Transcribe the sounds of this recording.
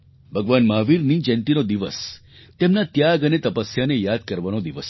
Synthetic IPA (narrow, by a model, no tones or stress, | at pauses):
bʱəɡʋanmaʋiɾnid͡ʒɛnt̪inod̪iʋə̰s | t̪emnat̪jaɡənet̪əpəsjanejad̪̚kəɾʋanod̪iʋəs